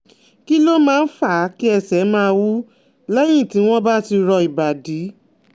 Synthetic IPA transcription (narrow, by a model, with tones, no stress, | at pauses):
ki˦lo˦mãː˦˧n̩˦fa˦˨˦ki˦ɛ˧sɛ˨˦mãː˦˧wu˦ | lɛ˦j̃ĩ˦˨ti˨˦w̃ɔ̃˦ba˦ti˧ɾɔ˧i˨ba˨di˨˦